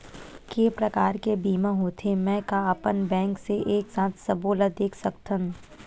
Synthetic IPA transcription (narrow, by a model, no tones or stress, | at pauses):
keːpɾɐkaːɾkebiːmãɦoːt̪ʰemɛ̃ːkaəpənbɛ̃ːŋkseʔeːksãːt̪ʰsɐboːləd̪eːkʰsɐkt̪ʰən